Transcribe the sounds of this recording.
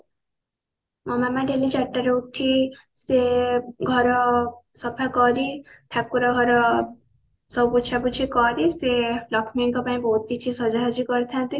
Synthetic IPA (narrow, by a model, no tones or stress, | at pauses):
mʌmamaɖelid͡ʒaʈːaɾouʈʰːiseɡʱʌɾʌsʌpʰakʌɾit̪ʰap̚kuɾʌɡʱʌɾʌ | sʌwput͡ʃʰakut͡sʰikʌɾiselʌkʰmiŋkɔpaĩbot̪kit͡sʰisʌd͡zaɦʌd͡zikʌɾt̪ʰãnt̪i